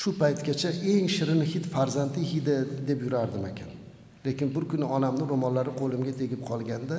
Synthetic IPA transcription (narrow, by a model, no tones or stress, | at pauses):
ʃʊpajt̪kʲat͡ʃʰaʔe̞ŋʃɪɾɪnɪhɪt̪faɾzant̪ʰɪhid̪ɪd̪e̞pjʊɾaɾd̪ɪmekʲʰan | le̞kʲɪnbʊɾkʰʲʊnɪɒnamnɪɾomɒnlaɾɪqʰolˠɪmɡʲat̪ʰeɡʲɪp̚qʰɒlˠɡʲand̪a